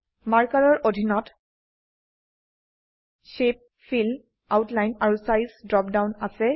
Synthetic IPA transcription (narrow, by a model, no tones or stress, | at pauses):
maɹkaɹɔɹʔodʱinɔt | ʃep̚ | fʰil | awtlajnaɹusajsdɹɔp̚dawnasɛ